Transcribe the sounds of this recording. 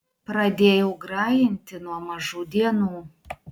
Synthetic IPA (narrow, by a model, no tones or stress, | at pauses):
pɾɐd̪ʲeːjɛʊɡɾɑːjɪnʲt̪ʲɪnuɔmɐʒuːd̪ʲiɛnuː